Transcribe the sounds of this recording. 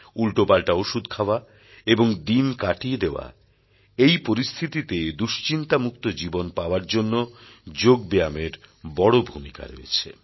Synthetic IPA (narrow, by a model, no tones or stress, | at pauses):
ulʈopalʈaoʃud̪̚kʰaoa | eboŋd̪inkaʈied̪eoa̰ | ejpoɾist̪ʰit̪it̪ed̪uʃt͡ɕint̪amuk̚t̪od͡ʑibonpaoaɾd͡ʑonːod͡ʑoɡbejameɾbɔɽobʱumika̰ɾo̰ḛt͡ɕʰḛ